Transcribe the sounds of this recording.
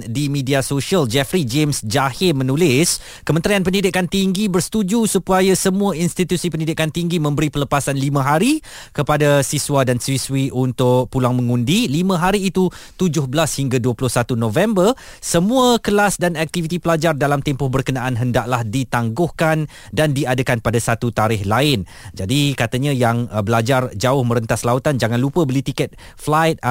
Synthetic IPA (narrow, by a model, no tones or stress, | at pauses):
dimĩdiasoʃiald͡ʒɛfɾid͡ʒemsd͡ʒahɪmə̃nulɪs | kəmə̃nt̪ɾianpənidɪkant̪iŋɡibərst̪ud͡ʒusupajasəmũainst̪it̪usipəndidɪkant̪iŋɡimə̃mbəɾipələpasanlimãɦaɾikəpadasiswadanswiswiʔunt̪ʊʔpulaŋmə̃ŋũndilimãɦaɾiːt̪ut̪ud͡ʒʊhbəlashiŋɡaduəplʊhsat̪unõvɛmbər | səmũəkəlasdanak̚t̪ivit̪ipəlad͡ʒardalamt̪empʊhbərkənãʔanɦəndaʔlahdit̪aŋɡʊhkan | dandiadəkanpadasat̪ut̪aɾɪhlaɪn | d͡ʒadikat̪əɲãjaŋbəlad͡ʒard͡ʒaʊhmə̃ɾənt̪aslaut̪and͡ʒaŋãnlupəbəlit̪ikɛt̪̚flajt̪̚